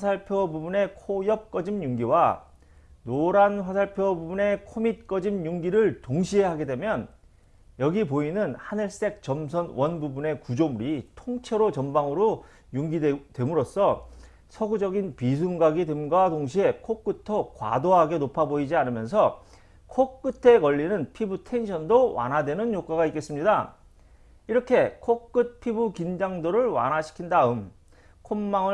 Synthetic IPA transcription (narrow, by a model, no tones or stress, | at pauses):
asʰaɭpʰjobubune̞kʰojʌp̚k͈ʌd͡ʑimjuŋɡiwa | noɾanɸwasʰaɭpʰjobubune̞kʰomit̚k͈ʌd͡ʑimɲuŋɡiɾɯɭtoŋɕʰiɦeɦaɡe̞dwemjʌn | jʌɡipoinɯnhanɯɭs͈e̞k̚t͡ɕʌms̬ʰʌnwʌnbubune̞kud͡ʑomuɾitʰoŋt͡ɕʰeɾot͡ɕʌmbaŋɯɾo | juŋɡitwe̞muɾos͈ʌ | sʰʌɡud͡ʑʌɡinpis̬ʰuŋɡaɡidwemɡwadoŋɕ̬ʰie̞kʰok͈ɯtʰʌkwa̰doɦaɡe̞nopʰaboid͡ʑianɯmjʌns̬ʰʌ | kʰok͈ɯtʰe̞kʌʎːinɯnpʰibutʰe̞nɕʰʌndowa̰nɦadwe̞nɯnjok͈aɡaik͈e̞s͈ɯmɲida | iɾʌkʰe̞kʰok͈ɯt̚pʰibukind͡ʑaŋdoɾɯɭwa̰nɦaɕʰi̥kʰindaɯm | kʰomːaŋɯ